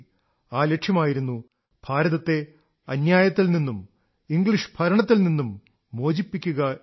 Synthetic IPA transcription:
aːlekʂjɐmaːjiɾunːu | b̥ʱaːɾɐðɐt̪ːe̞ | ɐnjaːjɐt̪ːilninːum | iŋɡɭiʂbʱɐɾɐɳɐt̪ːilninːumː | oːd͡ʑipːikʲːuɣɐ

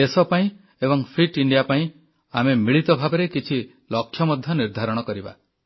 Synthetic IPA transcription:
esɔpaĩ | ebɔŋpʰɾiʈiɳɖijapaĩ | amemiɭit̪ɔbʱabeɾekit͡ʃʰi | lɔkʰːjɔmɔd̪ʱjɔniɾd̪ʱaɾɔɽ̃ɔkɔɾiba̰

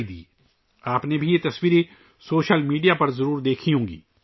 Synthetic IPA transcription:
id̪ḭː | aːpnebʱijet̪ɐswiːɾe | soːʃəlmiːɖijapɐɾzɐɾuːɾd̪eːkʰiɦõːɡḭː

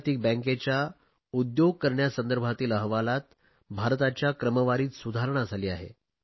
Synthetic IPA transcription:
t̪iːk̚bɛ̃ŋket͡ɕja | ud̪joɡ̚kəɾɳjasənd̪əɾbʱat̪iːləɦʋalat̪̚ | bʱaɾt̪at͡ɕjakɾəməʋaɾiːt̪sud̪ʱaɾɳ̃ad͡zʱaliːaɦḛ

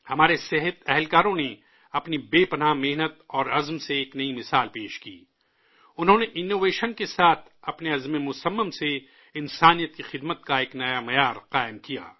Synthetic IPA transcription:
hɐmaːɾesɪɦət̪ɛɦlkaːɾõne | ɐpnibeːpɐnaːmeɦnət̪ɔːɾɐzmseːknɐimɪsaːlpeːʃkḭː | ʊnɦõːneʔɪnːoːʋeːʃənkesaːt̪ʰɐpneɐzmemʊsəmːəmse | ɪnsaːnijət̪̚kixɪd̪mət̪kaeːknɐjamɐjaːɾqaːɪmkija̰ː

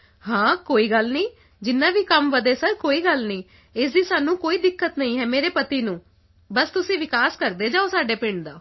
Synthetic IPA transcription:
ɦãːkoːiːɡəlnĩː | d͡ʒɪnːãːʋiːkəmʋəd̪eːsəɾkoːiːɡəlnĩː | ɪsd̪iːsaːnũːkoːiːd̪ɪkːət̪nəĩːɦɛːmeːɾeːpət̪iːnũː | bəst̪ʊsĩːʋɪkaːskəɾd̪eːd͡ʒaːoːsaːɖeːpɪ̃ɳd̪aː

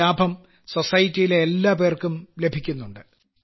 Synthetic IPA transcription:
aːbʱɐm | so̞sɐjitːijileːlːaːp̬e̞ːrkumle̞bʱikʲːunːuɳɖɨ

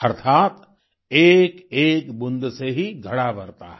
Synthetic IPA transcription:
ɐɾt̪ʰaːt̪ | eːkeːkbʊ̃nd̪seɦiɡʱɐɽabɐɾt̪a̰ɦɛ

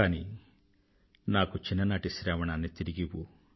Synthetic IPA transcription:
aːni | naːkut͡ʃinːɐnaːʈisɾaːʋɐɳaːnːit̪iɾiɡiʋu

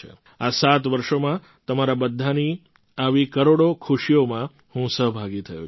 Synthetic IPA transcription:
ḛ | asat̪ʋəɾʃomã | t̪əmaɾabəd̪ʱːani | aʋikəɾoɽokʰuʃijomã | hũsəɦbʱaɡit̪ʰəjṵ

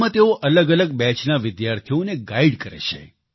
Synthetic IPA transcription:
ãt̪eoʔələɡələɡbɛt͡ʃnaʋɪd̪jaɾt̪ʰijoneɡaiɖkəɾḛt͡ʃʰḛ

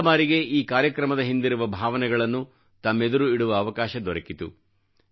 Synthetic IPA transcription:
baːɾiɡe̞iːkaːɾjɐkɾɐmɐd̪ɐɦind̪iɾuʋɐbʱaːʋɐnɛɡɐɭɐnːu | t̪ɐmːe̞d̪uɾuiɽuʋɐːʋɐkaːʃɐd̪ɔɾɐkit̪ṵ

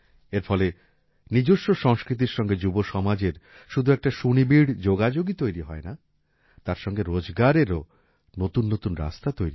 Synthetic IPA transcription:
eɾfɔle | nid͡ʑoʃːoʃɔŋskɾit̪̬iɾʃɔŋɡed͡ʑuboʃɔmad͡ʑeɾ | ʃud̪ʱuɛk̚ʈaʃunibiɽd͡ʑoɡad͡ʑoɡit̪ojɾiɦɔena | t̪aɾʃɔŋɡeɾod͡ʑɡaɾeɾo | not̪unːot̪unɾa̰st̪at̪ojɾi

